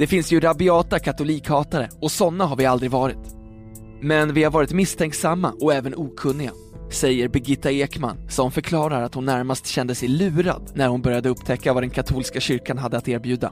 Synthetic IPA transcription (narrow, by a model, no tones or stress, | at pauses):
d̪̥ɛfɪnsjɵɾabɪɑːt̪akʰat̪ʊliːkhɑːt̪aɾəɔsɔnːaɦaɾvɪald̪ɾɪɡvɑːɾɪt̪ | mɛnvɪhaɾvɑːɾɪt̪mɪst̪ʰɛŋksamːa̰ʔɔɛːvənuːkʰɵnːɪɡa̰ | sɛjːəɾbɛɡɪt̪ːaeːkma̰nsɔmfœɾkʰlɑːɾaɾat̪hʊnːæɾmast̪ɕɛnd̪əsɛjlʉ̟ːɾa̰d̪næɾhʊnbœɾjad̪əɵpːt̪ʰɛkːavad̪ɛnkʰat̪ʰuːlskaɕʏɾkanɦad̪ːəat̪eːɾbjʉ̟ːd̪a̰